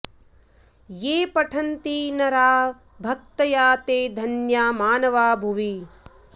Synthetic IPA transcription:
jeːpɐʈʰɐnt̪iːnɐɾaː | bʱɐk̚t̪ɐjaːt̪eːd̪ʱɐnjaːmaːnɐʋaːbʱuʋi

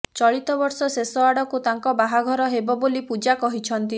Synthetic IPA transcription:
t͡ʃɔɭit̪ɔbɔɾsɔsesɔaɽɔkut̪aŋkɔbaɦaɡʱɔɾɔɦebɔbolipud͡ʒakɔɦit͡ʃʰɔnt̪i

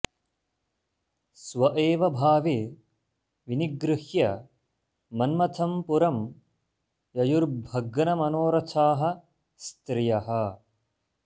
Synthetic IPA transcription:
sʋɐʔeːʋɐbʱaːʋi | ʋiniɡɾɪhjɐ | mɐnmɐt̪ʰɐmpuɾɐm | jɐjuɾbʱɐɡɐnɐmɐnoːɾɐt͡ʃʰaːɦɐ | st̪ɾijɐɦɐ

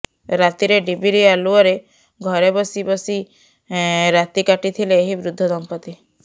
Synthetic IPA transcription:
ɾat̪iɾeɖibiɾialuɔɾe | ɡʱɔɾebɔsibɔsi | ɾat̪ikaʈit̪ʰileːɦibɾud̪ʱːɔd̪ɔmpɔt̪i

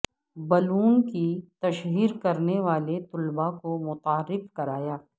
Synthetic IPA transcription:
bɐluːnkit̪ɐʃɦiːɾkɐɾneʋaːlet̪ʊlbakomʊt̪aːɾːɪfkɐɾaːjaː

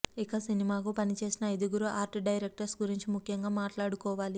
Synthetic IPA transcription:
ikasinimaːkupɐnit͡ʃe̞ːsinɐɐjd̪uɡuɾuʔaːɾʈɖɐjɾek̚ʈɐɾsɡuɾiɲt͡ʃimukʰjɐŋɡaːmaːʈlaːɽukɔːʋaːli

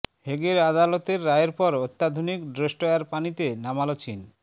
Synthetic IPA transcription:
ɦeɡeɾad̪alot̪eɾːaeɾpɔɾot̪ːad̪ʱonikɖɾeʃʈoaɾpanit̪enamalot͡ɕin

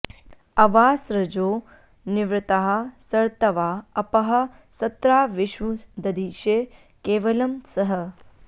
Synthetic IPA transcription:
ɐʋaːsɾɐd͡ʒoː | nɪʋɾɪt̪aɦɐ̆sɐɾt̪ɐʋaːɐpɐɦɐ̆ | sɐt̪ɾaːʋɪʃʋud̪ɐd̪iːʃeː | keːʋɐlɐmsɐɦɐ

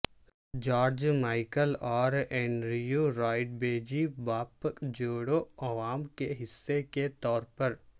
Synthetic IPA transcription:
d͡ʒaːɾd͡ʒmaːɪkəlɔːɾɛ̃ːnɾijuɾaːɪʈ̚beːd͡ʒibaːpəkd͡ʒoːɽoɐʋaːmkeɦɪsːeket̪ɔːɾpɐɾ

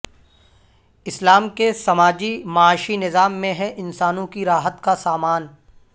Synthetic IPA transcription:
ɪslaːmkesɐmaːd͡ʒimɐaːʃinɪzaːmːẽɦɛ̃ʔɪnsaːnõkiɾaːɦət̪kasaːmaːn

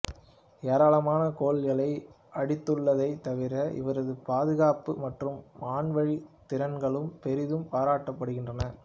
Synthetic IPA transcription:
eːɾaːɭɐmaːnɐkoːɭjɐɭɐɪ | ʔɐɽɪt̪ːɯɭːɐðɐɪt̪ɐʋɪɾɐʔɪ̰ʋɐɾɐðɯpaːðɯɣaːpɯmɐʈrɯmːaːɳʋɐɻit̪ɪɾɐnɡɐɭɯmpɛɾɪðɯmpaːɾaːʈːɐpːɐɽɯɣɪndrɐnɐ

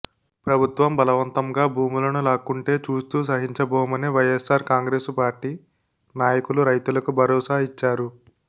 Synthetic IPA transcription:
pɾɐbʱut̪ʋɐmbɐlɐʋɐnt̪ɐmɡaːbʱuːmulɐnulaːkuɳʈe̞ːt͡ʃuːst̪uːs̬ɐɦiɲt͡ʃɐbɔːmɐneʋɐjesaːɾkaːŋɡɾe̞ːspaːɾʈiː | naːjɐkuluɾɐjt̪ulɐkubʱɐɾɔːsaːɦit͡ʃːaːɾu

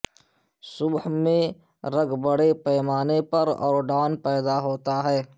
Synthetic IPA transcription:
sʊbhmẽ | ɾəɡʱbɐɽepɛːmaːnepɐɾɔ̰ːɾɖaːnpɛːd̪aɦoːt̪aɦɛː

